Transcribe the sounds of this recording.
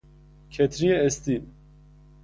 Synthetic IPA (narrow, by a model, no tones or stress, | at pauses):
kʰɛt̪ʰɾijeɛst̪i